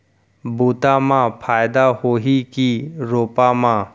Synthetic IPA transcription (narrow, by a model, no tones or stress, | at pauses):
buːt̪amãpʰaːjd̪ahoːɦikiɾoːpamã